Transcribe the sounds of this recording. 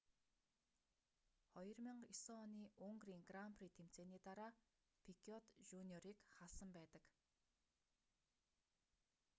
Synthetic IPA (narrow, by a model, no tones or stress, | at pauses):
χɔjɞ̆rmĭɴisɔɔniːʊŋɡriːŋɡramprit̪ʰem̥t͡seːniːt̪aɾaː | pʰikʰiɔt̪ʒunʲiɔɾiːkχaɮsə̆mpæːt̪ə̆k